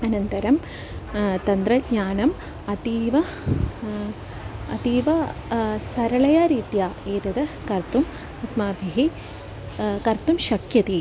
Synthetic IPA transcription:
ɐnɐnt̪ɐɾɐm | t̪ɐnd̪ɾɐɡɲaːnɐm | ɐt̪iːʋɐ | ɐt̪iːʋɐsɐɾɐɭɐjaːɾiːt̪jaːeːt̪ɐd̪ɐ | kɐrt̪um | ɐsmaːbʱiɦi | kɐɾt̪umʃɐkjɐt̪i

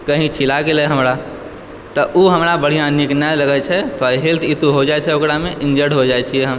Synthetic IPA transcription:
kəɦĩt͡ʃʰilakelɛɦəmɾa | t̪ɔʔuɦəmɾabəɽ̤ijãniknaləɡɛt͡ʃʰɛt̪ɔiɦilt̪ʰit̪uɦod͡ʒajt͡ʃʰɛokɾameʔind͡ʒəɾɖɦod͡ʒajt͡ʃʰiɛɦəm

